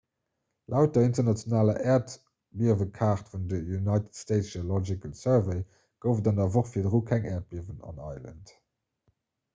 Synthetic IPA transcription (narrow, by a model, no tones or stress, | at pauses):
læʊt̚dɐintɐnɑt͡sjonaːlɐʔɛːɐt | biəvəkʰaːχtfundəjunɑɪtə̥tsteɪtʃɐlɔd͡ʒikəlsɜɹvəɪ | ɡ̥əʊfədɑnɐvoχfiɐdʁuːkʰæŋʔɛːɐt̚b̥iəvənɑ̰nɑɪlə̰nt